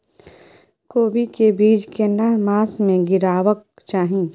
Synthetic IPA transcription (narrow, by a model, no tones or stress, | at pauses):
koːbikebiːd͡ʒkenɐmaːsmẽɡɪɾaːʋək̚ | t͡ʃaːɦĩː